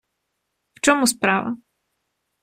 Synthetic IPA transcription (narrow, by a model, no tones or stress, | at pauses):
ft͡ʃɔmuspɾaʋɐ̰